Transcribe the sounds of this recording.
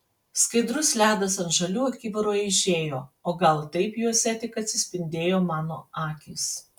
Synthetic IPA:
skɐɪd̪ɾʊslʲæːd̪ɐsɐnʒɐlʲuːɐkʲiːʋɐɾoːjɪʃʲeːjoːoːɡɐlˠt̪ɐɪpjuɔsʲɛt̪ʲɪkɐt̪ʲsʲɪsʲpʲɪnʲd̪ʲeːjoːmɑːnoːɑːkʲiːs

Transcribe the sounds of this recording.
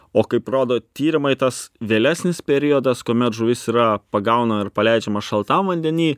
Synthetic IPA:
oːkɐɪproːd̪oːt̪ʲiːɾʲɪmɐɪt̪ɐsʋʲeːlʲæːsʲnʲɪspʲɛɾʲiɔd̪ɐskuoːmʲɛt̪ʒʊʋʲɪsiːɾɐpɐɡɐʊnɐmɐɪɾpɐlʲɛɪd͡ʒʲɛmɐʃɐlˠt̪ɐmʋɐnʲd̪ʲɛnʲiː

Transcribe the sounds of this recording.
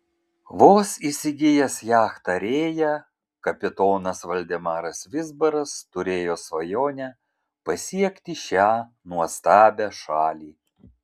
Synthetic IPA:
ʋoːsisʲɪɡʲɪjɛsjæːxt̪ɐɾʲeːjɛ | kɐpʲɪt̪oːnɐsʋɐlʲd̪ʲɛmɑːɾɐsʋʲɪzbɐɾɐst̪ʊɾʲeːjoːsʋɐjoːnʲæ | pɐsʲiɛkʲt̪ʲɪʃʲæː | nuɔst̪ɑːbʲæʃɑːlʲiː

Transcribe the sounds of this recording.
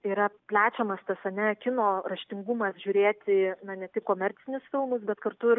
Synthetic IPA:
iːɾɐpʲlʲæːt͡ʃʲɛmɐst̪ɐsɐnʲɛkʲɪnoːrɐʃʲt̪ʲɪŋɡʊmɐsʒʲuːɾʲeːt̪ʲɪnɐnʲɛt̪ʲɪkkoːmʲɛɾʲt͡ssʲɪnʲʊsfʲɪlˠmʊsbʲɛt̪kɐɾt̪ʊɪɾ

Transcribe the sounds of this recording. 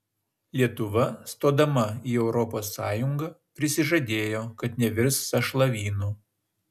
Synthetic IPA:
lʲiɛt̪ʊʋɐst̪oːd̪ɐmɐiːɛʊɾɔpoːsːɑːjʊŋɡɐːpʲɾʲɪsʲɪʒɐd̪ʲeːjoːkɐt̪nʲɛʋʲɪɾsːɐʃlˠɐʋʲiːnuː

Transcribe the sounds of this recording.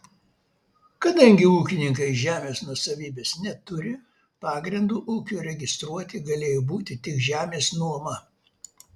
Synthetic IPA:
kɐd̪ɐŋʲɡʲɪuːkʲɪnʲɪŋkɐɪʒʲæːmʲeːsnuɔsɐʋʲiːbʲeːsnʲɛt̪ʊɾʲɪ | pɑːɡɾʲɪnd̪uːʔuːkʲuːɾʲɛɡʲɪst̪ɾuɔt̪ʲɪɡɐlʲeːjoːbuːt̪ʲɪt̪ʲɪkʒʲæːmʲeːsnuɔmɐ

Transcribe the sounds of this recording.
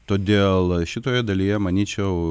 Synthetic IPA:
t̪oːd̪ʲeːlˠʃʲɪt̪oːjɛd̪ɐlʲiːjɛmɐnʲiːt͡ʃʲɛʊ

